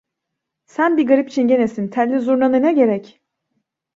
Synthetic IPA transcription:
sænbiɡaɾipit͡ʃʰinɟenesint̪ʰælʲːizuɾnanɯnaɟe̞ɾɛc

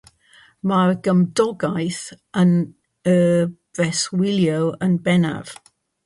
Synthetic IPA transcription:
marɡəmdɔɡajθ | ən | ə | vɛswɪlˠjəwənbɛna̰v̥

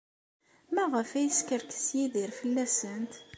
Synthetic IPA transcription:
mæʁəfæjəskəɾkə̥sjiðiɾfəlːæsənt̪

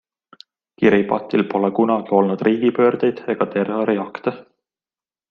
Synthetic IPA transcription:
kiɾipɑ̰t̪ːˑilpo̞lekunɑɡ̥io̞lnud̪̥riːɡ̥ipø̞ːrd̪̥e̞jd̪̥e̞ɡ̥ɑt̪e̞rːoɾiɑkt̪e

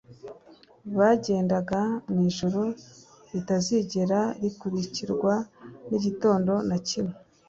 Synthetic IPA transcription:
βaɟe̞ːndaɡaniʒoɾo | ɾitaziɟe̞ɾaɾikuɾiciɾɡwaniɟito̞ːndo̞nacime

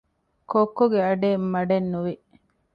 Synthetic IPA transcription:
kokːoɡeɐɖeːmːɐɖenːuʋi

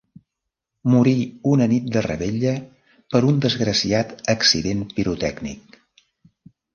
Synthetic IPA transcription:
muɾiunənit̪̚d̪ərə̰βeʎə | pəɾund̪əzɣɾəsiat̪əksiðempiɾut̪ɛɡnḭk̚

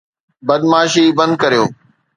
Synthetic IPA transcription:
bɐd̪maːʃiːbɐ̃nd̪̚kəɾijoː

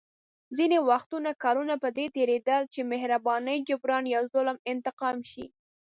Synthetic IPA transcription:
zinewaxt̪unakɑɾunapəd̪et̪eɾed̪əlt͡ʃemehɾabɑnəjd͡ʒʊbɾɑnjɑwzʊlmɪnt̪ɪqɑmʃḭ

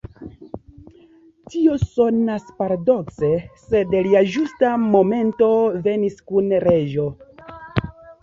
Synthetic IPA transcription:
tio̞so̞naspaɾado̞kse̞se̞dliad͡ʒustamo̞me̞nto̞ve̞niskunɾe̞d͡ʒo̞

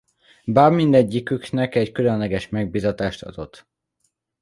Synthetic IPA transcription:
baːrmind̪ɛɟːikyknɛkɛckylønlɛɡɛʃmɛɡ̚biːzɒt̪aːʃt̪ɒ̰d̪o̞t̪ː

